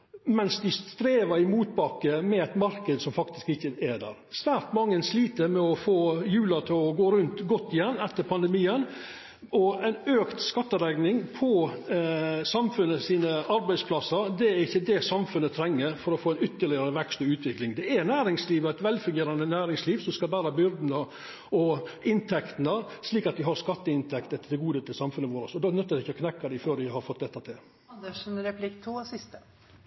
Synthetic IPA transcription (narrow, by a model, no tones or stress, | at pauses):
mɛnsd̪ɪst̪ɾeːʋəɾɪmuːt̪̚bɑkəmɛæɪt̪mɑɾkəd̪sɔmfɑkt̪ɪ̥skɪçːəɛd̪æ̰ːɾsʋæːɾt̪mɑŋːənsliːt̪əɾmɛɔfoːjʉːlɑt̪ʰɪɔɡoːɾʉnt̪ɡɔt̪ːɪjɛnːɛt̪ːəɾpʰɑnd̪əmiːən | ɔæɪnøːkt̪skɑt̪ːəd̪ɛɡnɪŋpʰɔ | sɑmfʉnːəsiːnəɑɾbæɪspʰlɑsːəɾd̪ɛæɾɪçːəd̪ɛsɑmfʉnːət̪ʰɾɛŋːəɾfɔɾɔfoːæɪnʏt̪ːəɭɪɑɾəʋɛkst̪ɔʉːt̪ʋɪklɪŋd̪ɛæɾnæːɾɪŋsliːʋɔæɪt̪ʋɛlfʉŋɡeːɾɑnənæːɾɪŋsliːʋsɔmskɑlbæːɾɑbʏɾd̪n̩ə | ɔɪnt̪ʰɛkt̪ənəsliːkɑt̪ʋɪɦɑɾskɑt̪ːəɪnt̪ʰɛkt̪ɛt̪ːəd̪ɛɡuːd̪ət̪ʰɪlsɑmfʉnəʋoːɾəsɔd̪ɑnœt̪ːəɾdɪɪçːəɔkʰnɛkːɑd̪ɪføːɾʋɪɦɑɾfɔt̪ːd̪ɛt̪ːɑt̪ʰɪl | ɑnd̪əʂn̩ɾɛpʰlɪkːt̪ʰuːsɪst̪ə